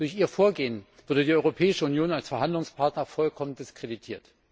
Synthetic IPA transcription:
d̥ʊɐçiːɐfoːɐɡeːən | v̥ɪɐdədiːʔɔʏʁopʰɛːɪʃəunjoːnalsfɛɐɦandlʊŋspʰaɐtnɐfɔlkʰɔmənd̥ɪskʁ̥editʰiːɐt

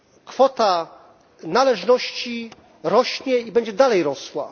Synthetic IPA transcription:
kfɔt̪a | nalɛʐnɔɕt͡ɕi | ɾɔɕɲɛibɛɲd͡ʑɛd̪alɛjɾɔswa̰

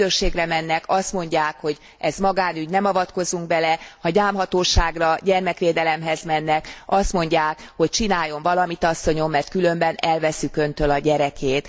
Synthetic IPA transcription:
øʃeːɡrɛmɛnːɛkɒst̪mo̞ɲɟaːkho̞ɟ | ɛzmɒɡaːnyɟnɛmɒvɒt̪ko̞zuŋɡ̚bɛlɛhɒɟaːmɦɒt̪oːʃaːɡrɒɟɛrmɛkʋeːd̪ɛlɛmɦɛzmɛnːɛkɒst̪mo̞ɲɟaːkho̞c̚t͡ʃinaːjo̞ɱvɒlɒmit̪ɒsːo̞ɲo̞mːɛrt̪̚kylø̞mbɛnɛlvɛsːykø̞nt̪ølɒɟɛɾɛkʰeːt̪

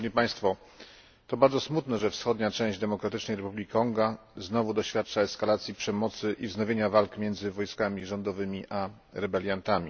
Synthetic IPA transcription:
ɲipaj̃st̪fɔ | t̪ɔbaɾdzɔsmut̪nɛʐɛfsxɔd̪ɲat͡ʂɛ̃w̃ʑd͡ʑd̪ɛmɔkɾat̪ɘt͡ʂnɛjɾɛpublʲikʲkɔŋɡa | znɔvud̪ɔɕfʲjat̪̚t͡ʂaɛskalat̪sʲjipʂɛmɔt̪sɘʔivznɔvʲjeɲavalkmʲjɛnd̪zɘvɔjskamʲiʐɔnd̪ɔvɘmʲiʔa | ɾɛbɛlʲjant̪amʲḭ

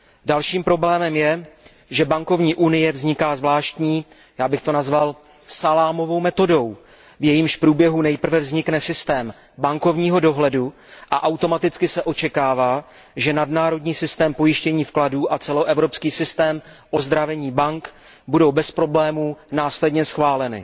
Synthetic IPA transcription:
dalʃiːmpɾo̞blɛːmɛmjɛ | ʒɛbaŋko̞vɲiːʔunɪjɛvzɲɪkaːzvlaːʃt̪ɲiː | jaːbɪxt̪o̞nazval | salaːmo̞vo̞wmɛt̪o̞do̞w | vjɛjimʃpɾuːbjɛɦunɛjpr̩vɛvzɲɪknɛsɪst̪ɛːm | baŋko̞vɲiːɦo̞do̞ɦlɛdu | ʔaʔawt̪o̞mat̪ɪt͡skɪsɛʔo̞t͡ʃɛkaːvaː | ʒɛnadnaːɾo̞dɲiːsɪst̪ɛːmpo̞jɪʃcɛɲiːfkladuːʔat͡sɛlo̞ʔɛvɾo̞pskiːsɪst̪ɛːm | ʔo̞zd̪ɾavɛɲiːbaŋk | budo̞wbɛspɾo̞blɛːmuːnaːslɛdɲɛsxvaːlɛnɪ̰

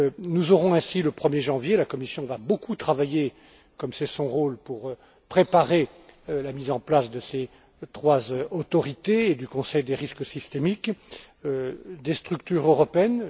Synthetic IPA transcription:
nuzɔʁɔ̃ɛ̃siləpχəmjeʒɑ̃vjelakɔmisjɔ̃vabokut̪χavaje | kɔmsɛsɔ̃ʁolpuʁ | pχepaʁe | lamizɑ̃plasd̪əse | t̪χwazot̪ɔʁit̪eːd̪ykɔ̃sɛjd̪eʁisksist̪emik | d̪est̪χyk̚t̪yʁøʁɔpeɛn

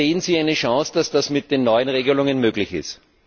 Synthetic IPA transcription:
eːənziːaɪnəʃɑ̃sd̥asd̥asmɪt̚d̥eːnːɔʏənʁeːɡəlʊŋənmøːɡlɪçɪ̰st

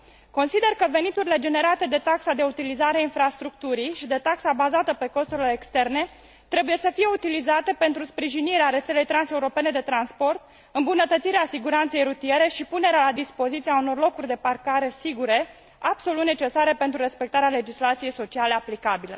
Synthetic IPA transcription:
ko̞nsid̪e̞rkəve̞nit̪uɾile̞d͡ʒe̞ne̞ɾat̪e̞d̪e̞t̪aksad̪eut̪ilizaɾeainfɾast̪ɾuk̚t̪uɾijʃid̪e̞t̪aksabazat̪əpe̞ko̞st̪uɾileːkst̪e̞rne̞ | t̪ɾe̞buje̞səfije̞ut̪ilizat̪e̞pe̞nt̪ɾuspɾiʒiniɾeaɾet̪se̞le̞jt̪ɾanse̞uɾo̞pe̞ne̞d̪e̞t̪ɾanspo̞rt̪ | ɨmbunət̪ət̪siɾeasiɡuɾant̪se̞jɾut̪ie̞ɾe̞ʃipune̞ɾealad̪ispo̞zit̪siauno̞rlo̞kurʲd̪e̞parkaɾe̞siɡuɾe̞ | ab̥so̞lut̪ne̞t͡ʃe̞saɾe̞pe̞nt̪ɾuɾe̞spek̚t̪aɾeale̞d͡ʒislat̪sije̞jso̞t͡ʃiale̞aplikabilə

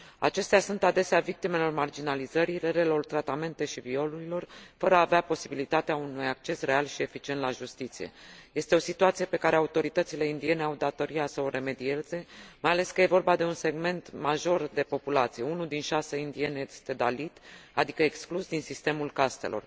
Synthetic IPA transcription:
a̰t͡ʃe̞st̪easunt̪ad̪e̞seavik̚t̪ime̞lo̞rmard͡ʒinalizəɾiɾeɾe̞lo̞rt̪ɾat̪ame̞nt̪e̞ʃivio̞luɾilo̞rfəɾəaːveapo̞sibilit̪at̪eaunujak̚t͡ʃe̞sre̞alʃie̞fit͡ʃient̪laʒust̪it̪sije̞̰je̞st̪e̞o̞sit̪uat̪sije̞pe̞kaɾe̞aut̪o̞ɾit̪ət̪sile̞ind̪ie̞ne̞awd̪at̪o̞ɾiasəoɾʔe̞me̞d̪ie̞ze̞majale̞skəje̞vo̞rbad̪e̞unse̞ɡme̞nt̪maʒo̞rd̪e̞po̞pulat̪sije̞unuld̪inʃaseind̪ie̞nejest̪e̞d̪alit̪ad̪ikəeksklusd̪insist̪e̞mulkast̪e̞̰lʔo̞̰r

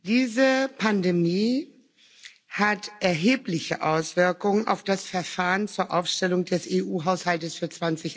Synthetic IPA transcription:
d̥iːzəpʰandemiː | hatʔɛɐɦeːplɪçəʔaʊsv̥ɪɐkʊŋəna̰ʊfd̥asfɛɐfaːʁənt͡suːɐʔaʊfʃtɛlʊŋdɛsʔeʔuːɦaʊshaltəsfyːɐt͡sv̥ant͡sɪç

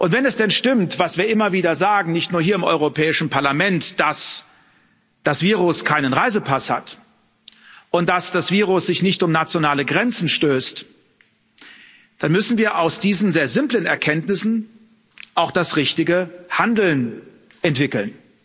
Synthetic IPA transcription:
ʔʊntv̥ɛnɛsd̥ɛnʃtɪmtv̥asv̥iːɐʔɪmɐviːdɐzaːɡŋ̩nɪçtnuːɐɦiːɐɪmʔɔ̰ʏʁopʰɛːɪʃn̩paɐlamɛntd̥as | d̥asv̥iːʁʊskʰaɪnənʁaɪzəpʰasha̰t | ʔʊntd̥asd̥asv̥iːʁʊsz̥ɪçnɪçtʊmnat͡sjonaːləɡʁɛnt͡sn̩ʃtøːst | d̥anmʏsn̩viːɐʔaʊsd̥iːzn̩zeːɐzɪmplənɛɐkʰɛntnɪsn̩ | ʔaʊxd̥asʁɪçtɪɡəhandl̩n | ʔɛntv̥ɪkl̩n

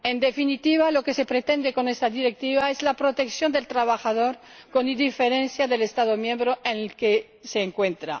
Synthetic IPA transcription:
end̪efinit̪iβ̞alo̞kese̞pɾet̪e̞nd̪eko̞nest̪aðiɾek̚t̪iβaezlapɾot̪e̞ksjo̞nd̪e̞lt̪ɾaβaxaðo̞ɾ | ko̞nid̪ifeɾenθjaðelest̪aðomjembɾoenelke | seːŋkwe̞nt̪ɾa̰

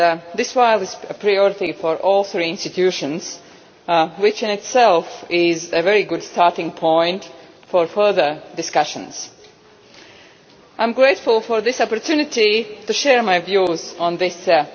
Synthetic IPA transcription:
ðɪswaɪlˠɪz̥əpʰɹajɔɹɪtifɔɹʔɔːlˠθɹiɪ̃nstɨtʰjuʃə̃nz̥ | wɪt͡ʃɪ̃nɪtsɛlˠfɪzɨvɛɹiɡʊdstɑɹtɪ̃ŋpʰɔ̃ɪ̃nt | fɔɹfɜ˞ðə˞dɪskʌʃə̰̃nz̥ | ʔãɪ̃mɡɹeɪtfʊlˠfɔɹðɪsɑpəɹtjunɪtituʃɛɹmaɪvjuzə̃nðɪs

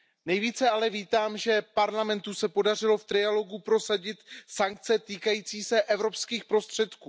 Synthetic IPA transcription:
nɛjviːt͡sɛalɛviːt̪aːmʒɛpaɾlamɛnt̪usɛpo̞dar̝ɪlo̞ft̪ɾɪalo̞ɡupɾo̞saɟɪt̪saŋk̚t͡sɛt̪iːkajiːt͡siːsɛʔɛvɾo̞pskiːxpɾo̞st̪r̝̥ɛt̪kuː

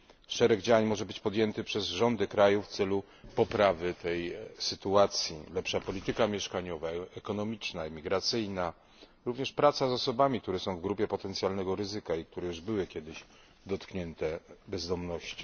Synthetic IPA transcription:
ʂɛɾɛɡd͡ʑawaɲmɔʐɛbɘt͡ɕpɔd̪ʲjɛnt̪ɘpʂɛzʐɔnd̪ɘkɾajuft̪sɛlu | pɔpɾavɘt̪ɛjsɘt̪uat̪sʲjḭlɛpʂapɔlʲit̪ɘkamʲjɛʂkaɲɔvaɛkɔnɔmʲit͡ʂnaimʲiɡɾat̪sɘjna | ɾuvɲɛʂpɾat̪sazɔsɔbamʲik̚t̪uɾɛsɔ̃w̃vɡɾupʲjɛpɔt̪ɛnt̪sʲjalnɛɡɔɾɘzɘkaik̚t̪uɾɛjuʐbɘwɘkʲjɛd̪ɘɕ | d̪ɔt̪kɲɛnt̪ɛbɛzd̪ɔmnɔɕt͡ɕi̥

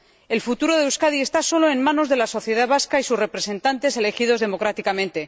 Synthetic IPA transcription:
e̞lfut̪uɾo̞ðewskaðie̞st̪aso̞lo̞e̞nmãno̞zðe̞laso̞θje̞ðaβaskaisusre̞pɾe̞sẽ̞nt̪ant̪e̞se̞le̞xið̞o̞zðe̞mo̞kɾat̪ikamẽnt̪e̞

